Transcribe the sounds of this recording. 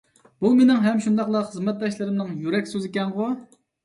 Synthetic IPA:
b̥umenɪŋɦɛmʃund̪ɑqlˠɑχəzmɛt̪̚d̪ɑʃlˠɨɾɪmnɨŋjyɾɛkʲsøzɪkʲɛnʁʊ

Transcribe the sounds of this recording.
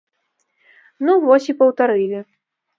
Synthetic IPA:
nuvɔsʲipɐwt̪aɾɨlʲi

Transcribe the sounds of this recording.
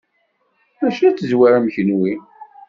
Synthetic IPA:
mæʃæt͡sːəzwaɾæmçənwi

